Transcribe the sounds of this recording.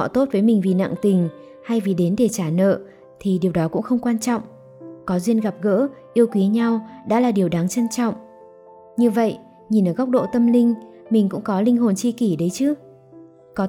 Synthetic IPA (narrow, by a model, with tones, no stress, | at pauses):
ɔ̰˧˨t̪o˦˥t̚vəː˨˦jmï˨˩ŋ̟vi˨˩na̰˧˨ŋt̪ï˨˩ŋ̟ | ha˧jvi˨˩ɗe˨˦nɗe˧˩t͡ɕaː˧˩nə̰ː˧˨ | t̪ʰi˨˩ɗi˨˩əwɗɔ˨˦kʊ̰˧˥ŋ͡mxə˧wŋ͡mkwaː˧nt͡ɕɔ̰˧˨wŋ͡m | kɔ˨˦zwi˧ənɣa˨˩p̚ɣə̰ː˧˥ʔi˧əwkwi˨˦əɲa˧wɗa̰ː˧˥laː˨˩ɗi˨˩əwɗaː˨˦ŋt͡ɕə˧nt͡ɕɔ̰˧˨wŋ͡m | ɲɨ˧və̰˧˨j | ɲi˨˩nʔəː˧˩ɣa˦˥k͡p̚ɗo̰˧˨t̪ə˧mlï˧ŋ̟mi˨˩ŋ̟kʊ̰˧˥ŋ͡mkɔ˨˦lï˧ŋ̟ɦo˨˩nt͡ɕi˧ki˧˩ɗə˨˦jt͡ɕɨ˨˦ | kɔ˨˦